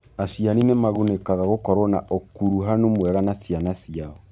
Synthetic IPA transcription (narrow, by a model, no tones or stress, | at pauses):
asijaninemaɣonekaɣaɣokɔɾwɔna̰ʔɔkuɾuɦanomwɛɾanasjanasiaɔ